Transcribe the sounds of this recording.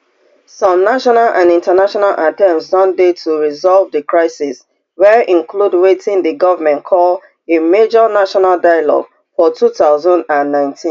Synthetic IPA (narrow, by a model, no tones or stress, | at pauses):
sɔ̃mnaʃɔnalʔã̰nĩntənaʃɔnalʔatɛ̃msdɔ̃ndetʰuɹizɔlvðəkʰɹaɪsis | wɛɹʔĩŋkʰludwetʰĩŋdəɡɔvəmɛ̃ntkʰɔl | emed͡ʒɔnaʃɔnaldaɪjalɔ̰ɡ̥ | fɔtʰuθaʊzɔ̃ndãnːãɪ̃ntʰĩn